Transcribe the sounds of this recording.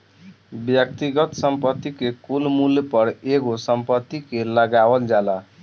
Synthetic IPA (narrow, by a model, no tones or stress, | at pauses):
bjʌk̚t̪iɡʌt̪sʌmpʌt̪ːikekulmuljpʌɾeɡosʌmpʌt̪ːikelʌɡawʌnd͡ʒala